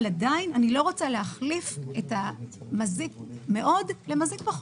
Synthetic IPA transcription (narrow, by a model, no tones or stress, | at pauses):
ladainanilo̞ʁot͡saleaχlifetamazik̚me̞ʔo̞dle̞mazik̚paχ